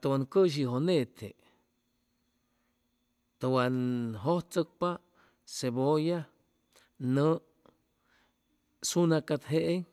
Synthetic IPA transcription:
t̪owankəʃ̬iɦonẽt̪ʰḛʔ | t̪owaɦot͡səpa | seboja | nə̃ʔ | sunãkat̪ɦeʔe

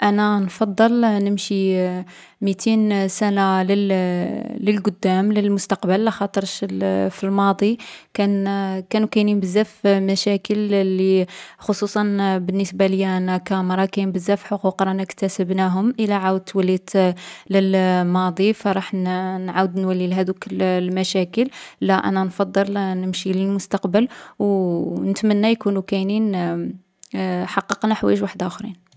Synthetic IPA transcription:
ʔænænfɑd̪ˤːɑlnəmʃi | mit̪ʰinsænaləl | ləlɡʊd̪ːæmləlmʊst̪ɑqbəlːæxɑt̪ˤəɾˤʃfilmɑd̪ˤikænkænukæjnmbəzːæfmæʃækəlːixosˤusˤɑnbənːəsbaləjːænækæmɾˤɑkæjmbəzːæfħoquqɾˤɑnækt̪æsəbnæɦʊmʔəlæʕawəd̪̚t̪ːwælːit̪ləlmɑd̪ˤifɾˤɑħnnʕawəd̪nwælːilɦæd̪ukəllmæʃækəllæʔæ̰nænfɑd̪ˤːəlnəmʃiləlmʊst̪ɑqbəlwnət̪mənːæjkunukæjnin | ħɑqːəqnaħwæ̰jəʒwaħd̪ʊxɾḭn

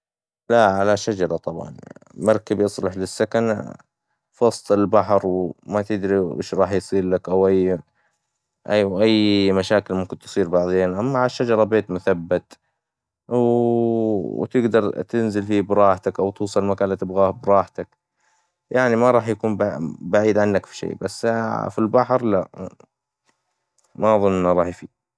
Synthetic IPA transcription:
laʕalaʃad͡ʒɑɾˤɑt̪ˤɑbʕɑ̰nmɑɾˤkabjɨsˤlɪħlɪsːakan | fɑsˤt̪ˤɪlbaħɾwmat̪ɪd̪ɾiʔɪ̰ːʃɾˤɑːħjsˤiːllakʔawʔajː | ʔawʔajːmaʃaːkɪlmʊmkɪnt̪ɨ̥sˤiːɾbɑʕðˤeːnʔamːaʕʃːad͡ʒɑɾˤɑbeːt̪mʊθabːat̪ | w | t̪ɪɡd̪ɑɾˤt̪ɪnzɪlfibɾˤɑːħt̪akʔawt̪uːsˤɑllmakaːnliːt̪ɪbɣaːhbɾˤɑːħt̪ak | jaʕnimaɾˤɑːħjakuːmbbaʕiːd̪ʕanːakfi̥ʃḛːbasːfilbaħɾlaʔ | maʔɑðˤʊnːʔɪnːaɾˤɑːħjfiː

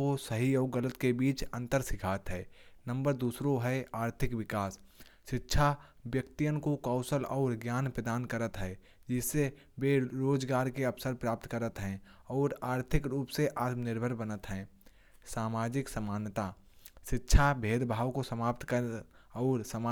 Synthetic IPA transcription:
osəɦiɔːɡələt̪kebiːt͡ʃə̃nt̪əɾsɪkʰaːt̪ɦɛːnə̃mbəɾd̪uːsɾoɦɛaːɾt̪ʰɪkʋɪkaːs | ʃɪtːʃʰa | ʋjəkt̪ijənkokɔːʊsəlɔːɾɡjaːnpɾəd̪aːnkəɾət̪ɦɛː | d͡ʒɪsːe | beːɾoːd͡ʒɡaːɾkeɐpsəɾpɾaːp̚t̪kəɾət̪ɦɛ̃ːɔːɾaːɾt̪ʰɪkɾuːpseʔaːt̪mnɪɾbʱəɾbənət̪ɦɛ̃ː | saːmaːd͡ʒɪksəmaːnət̪a | ʃɪtːʃʰabʱeːd̪bʱaːwkosəmaːp̚t̪kəɔːɾsəma

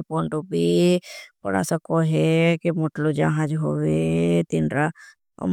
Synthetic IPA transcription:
poɳʈobʱi | pəɽa̰səkoɦekimoʈlod͡ʒaɦãd͡ʒɦowet̪inɾa̰ | m

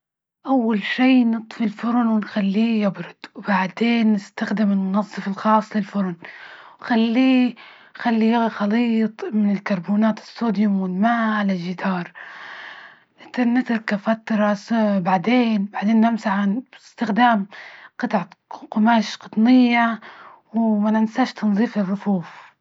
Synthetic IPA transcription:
ʔawːalʃiːnɨt̪ˤfilfʊɾˤʊnwɪnxalːiːjɪbɾʊd̪̥wbaʕd̪eːnːɪst̪axd̪ɪmɪlmʊnɑzˤːɨfɪlxɑːsˤːlɪlfʊɾˤʊnwxalːiː | xalːijaɣxɑliːt̪ˤmɪnɪlkɑɾˤbuːnaːt̪ɪ̥st̪uːd̪jʊmwɪlmaːʕalaʒɪd̪ɑːɾˤ | t̪ɪnːɪt̪lkafat̪ɾˤɑsbaʕd̪eːnbaʕd̪eːnːɪmsaħanɪst̪ɪxd̪aːmqɑt̪ʕaqʊmaːʃqʊt̪ˤnɪjːawmanɪnsaːʃt̪ʰɑnzˤiːfɪrˤːʊfuːf

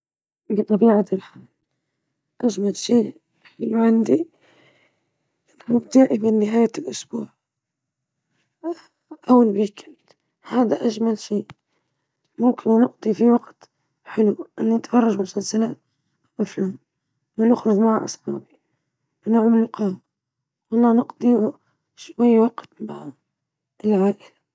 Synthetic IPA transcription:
bt̪ˤɑbiːʕat̪ɪlħaːl | ʔaʒmalʃiː | ɪlːʕɪnd̪i | mʊbt̪aːʔɪbɪnːɪɦaːjalʔʊsbuːʕ | ʔawːalbikʰɪt̪ | haːd̪aʔaʒmalʃiː | mʊmkʰɪnnɪqd̪ˤifiwɑqt̪ | ħɪluʔɪnːinɪt̪fɑrˤːɑʒmʊsalsalaːt̪̚ | maflam | nɪnʊxɾʊðˤmaʕa̰ʔɑ̰sˤħaːbi | wnaʕmɪlʊqɑːm | wɑlˤːɑːnɪqd̪ˤi | ʃwajːwɑɡt̪baʕ | ʔɪlʕaːʔɪla

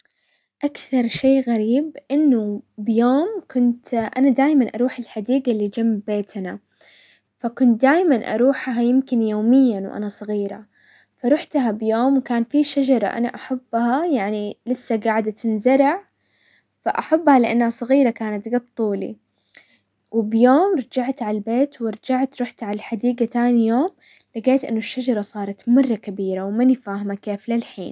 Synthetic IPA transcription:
ʔakθɑɾˤʃeːɣaɾiːbʔɪnːʊbɪjoːmkʊnt̪ʔa̰nad̪aːjmanʔɑ̰ɾˤuːħɪlħad̪iːɡalːiːd͡ʒamːbeːt̪na | fakʊnt̪̚d̪aːjmanʔɑ̰ɾˤuːħɦajɪmkɪnjoːmɪjːanwʔa̰nasˤɑɣiːɾa̰ | faɾˤʊħt̪aɦabjoːmwkaːnfiʃad͡ʒɑɾˤɑ̰ʔa̰na̰ʔaħabːhajaʕnilɪsːaɡaːʕd̪at̪ɪnzɑɾˤɑʕ | fa̰ʔaħabːhalɪʔanːhasˤɨɣiːɾakaːnat̪ɡɑt̪ˤːuːlḭ | wɪbjoːmɾˤɑd͡ʒaʕt̪ʕalbeːt̪wɪɾˤɑd͡ʒaʕt̪ɾˤʊħt̪ʕalaħad̪iːɡat̪aːnijoːm | laɡeːt̪ʔɪ̰nːʊʃːad͡ʒɑɾˤɑsˤɑːɾˤɑt̪mɑrˤːɑkabiːɾawmɪnɪfaːhɪmakeːflɪlħḭːn

